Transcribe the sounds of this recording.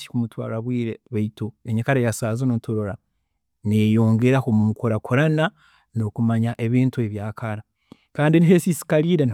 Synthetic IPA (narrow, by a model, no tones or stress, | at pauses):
i̥kumutwa̰ːɾaβwiːɾeβeitoeɲekaɾajasaːzonoutoɾoɾa | nejo̞ːŋɡe̞ɾakomumukoɾakʰoɾana | nokumaɲaʔeβeːntue̞βjaːkaɾa | kaːndiniɦesisi̥kaɾiɾen